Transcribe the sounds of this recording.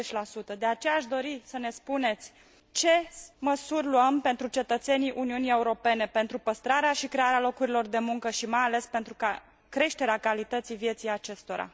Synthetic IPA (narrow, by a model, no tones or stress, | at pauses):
et͡ʃʲlasut̪əd̪e̞at͡ʃejaːʃd̪o̞ɾisəne̞spune̞t̪sʲ | t͡ʃe̞məsurʲluəmpe̞nt̪ɾut͡ʃe̞t̪ət̪se̞niʔuniunie̞uɾo̞pe̞ne̞pe̞nt̪ɾupəst̪ɾaɾeaʃikɾe̞aɾealo̞kuɾilo̞rd̪e̞muŋkəʃimajale̞spe̞nt̪ɾuka | kɾe̞ʃt̪e̞ɾeakalit̪ət̪sijvje̞t̪sijat͡ʃe̞st̪o̞ɾa̰